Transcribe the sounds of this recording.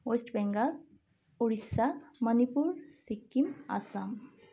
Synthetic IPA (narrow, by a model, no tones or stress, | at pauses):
osʈbɛŋɡal | uɽisamənipuɾsikːima̰sam